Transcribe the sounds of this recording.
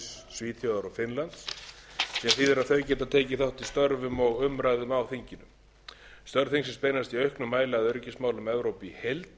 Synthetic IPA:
s | sviːt̪θjowðaɾɔɣfɪnlant̪ssɛmθiðɛɾaðθœɥcɛːt̪aðt̪ʰeːcɪθawht̪ist̪œɾvʏmɔɣʏmɾajðʏmawθiɲcɪnʏm | st̪œɾvθiŋksɛmspeːjnast̪iœɥhknʏmːaːjlɪaðœɾcɪsmaːwlʏmɛvɾowpihejlt̪

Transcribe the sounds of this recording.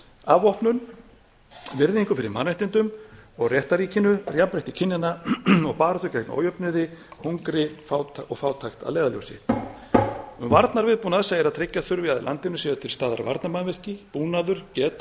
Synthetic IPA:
avɔhpnʏn | vɪɾðiŋkʏfɪɾɪ̰ɾmaːnɛht̪ɪnt̪ʏmɔɣrjɛht̪aɾiːcɪnʏrjapɾeht̪ɪcʰɪnːɪnaɔɣpaːɾɔt̪ʏcajkn̰o̰wjœpnʏðɪhuŋkɾɪfaw̪ɔɣfaːwt̪ʰajxt̪a̰ðleːjðaljo̰wsɪ̰ | ʏmvaɾt̪naɾvɪðpuːnaðɛsaɛɾaðt̪ʰɾecːaθʏɾvɪaðɪ̰la̰nt̪ɪnʏsiːvat̪ʰɪlst̪aːða̰ɾva̰ɾt̪namanvɛr̥cɪpuːnaðʏɾ̥cɛːt̪

